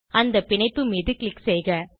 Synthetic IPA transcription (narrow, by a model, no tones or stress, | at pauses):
ɐnd̪ɐpɪɳɐɪpːɯmɪðɯklɪksɛjɣɐ